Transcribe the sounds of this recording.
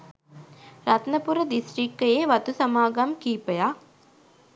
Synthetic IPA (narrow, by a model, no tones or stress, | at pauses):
ɾɐt̪nɐpuɾɐd̪isɾikːɐjeːʋɐt̪usɐmaːɡamkiːpɐjaː